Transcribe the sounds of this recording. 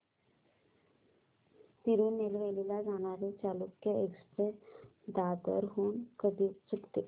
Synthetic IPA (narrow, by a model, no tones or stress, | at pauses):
t̪iɾunːelʋelilad͡ʒanaɾet͡ʃaːlukːeeksted̪aːd̪ə̰ɾɦuːnkəd̪it͡sukt̪e